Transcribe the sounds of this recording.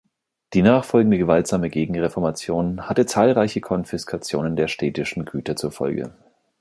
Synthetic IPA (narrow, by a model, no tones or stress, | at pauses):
d̥iːnaːχfɔlɡŋ̩dəɡəvaltz̥aːməɡeːɡŋ̩ʁɛfɔɐmat͡sjoːnhatət͡saːlʁaɪçəkʰɔnfɪskʰat͡sjoːnəndeːɐʃteːtɪʃn̩ɡyːtɐt͡suːɐfɔ̰lɡə̰